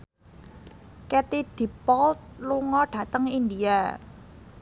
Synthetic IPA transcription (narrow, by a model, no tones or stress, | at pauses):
kɛt̪id̪̥i̤pɔlt̪̚luŋɔɖ̥a̤t̪əŋind̪ia